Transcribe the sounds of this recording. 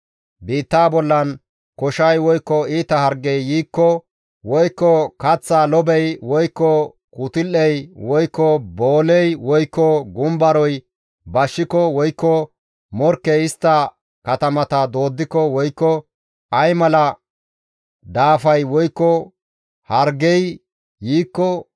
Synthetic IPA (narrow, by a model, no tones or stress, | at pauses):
biːt̪ːaːbɔlːɐn | kɔʃɐjwɔjkːɔiːt̪ɐhɐɾɡɛjːiːkːɔ | wɔjkːɔkɐt͡sːaːlɔbɛjwɔjkːɔ | kuːt̪ɪlːɛjwɔjkːɔboːlɛjwɔjkːɔɡʊmbɐɾɔj | bɐʃːɪkɔwɔjkːɔ | mɔɾkːɛjɪst̪ːɐ | kɐt̪ɐmɐt̪ɐd̪o̞ːd̪ːɪkːɔwɔjkːɔ | ʔɐjmɐlɐ | d̪aːfɐjwɔjkːɔ | hɐɾɡɛj | jiːkːɔ